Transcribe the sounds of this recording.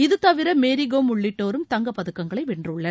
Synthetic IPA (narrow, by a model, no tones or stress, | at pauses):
ɪðɯt̪ːɐʋɪɾɐmeːɾɪɣoːmʊɭːɪʈːoːɾɯmt̪ɐŋɡɐpːɐðɯkːɐŋɡɐɭɐɪʋɪɳdrɯɭːɐ